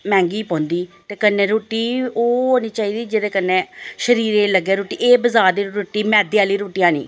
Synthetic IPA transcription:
mɛ̃ːŋɡiːpɔ̃ːnd̪iːt̪eːkənːeːɾoːʈiːoːɦoːniːt͡ʃaːiːd̪iːd͡ʒeːd̪eːkənːeːʃəɾiːɾeːləɡeːɾoːʈiːʔeːbəzaːɾd̪iːɾoːʈiːmɛːd̪iːaːliːɾoːʈijãːnḭː

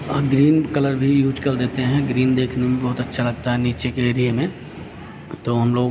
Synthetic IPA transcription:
ɡɾiːnkɐləɾbʱijuːd͡ʒkɐɾd̪eːt̪eɦɛ̃ɡɾiːnd̪eːkʰnemẽbɔɦt̪ɐtːʃʰalɐɡt̪aɦɛniːt͡ʃekeɾiemẽ | t̪oɦɐmloːɡ

